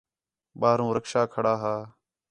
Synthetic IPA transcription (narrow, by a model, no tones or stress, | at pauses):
ɓaːɦɾũːɾəkʃaːkʰəɽaːɦaː